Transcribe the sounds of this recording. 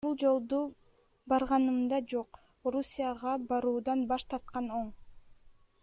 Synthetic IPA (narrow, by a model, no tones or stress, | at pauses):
bulˠd͡ʒo̞lˠd̪u | bɑɾʁɑnɯmd̪ɑd͡ʒoq | oɾusʲijaʁɑbɑɾuːd̪ɑnbɑʃt̪ɑɾt̪̚qɑno̞ɴ